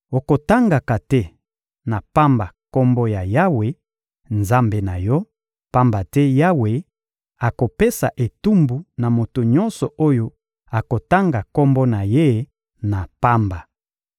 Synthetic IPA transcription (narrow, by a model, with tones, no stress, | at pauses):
o˨ko˨ta˦ŋɡa˨ka˨tɛ˦ | na˨pa˦mba˨kɔ˦mbɔ˦ja˨ja˦we˨ | nza˦mbe˨na˨jɔ˦ | pa˦mba˨tɛ˦ja˦we˨ | a˨ko˨pe˦sa˨ʔe˨tu˦mbu˨na˨mo˨to˨ɲɔ˦nsɔ˨ʔo˦jo˦ | a˨ko˨ta˦ŋɡa˨kɔ˦mbɔ˦na˨je˦ | na˨pa˦mba˨